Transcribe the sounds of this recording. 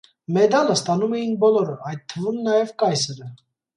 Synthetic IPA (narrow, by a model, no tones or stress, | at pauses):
mɛd̪ɑləst̪ɑnumɛjinbɔlɔɾəʔɑjt̪t̪ʰːəvumnɑjɛvkɑjsəɾə